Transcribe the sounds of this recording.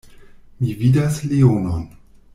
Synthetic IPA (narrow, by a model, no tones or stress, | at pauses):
mividasleonon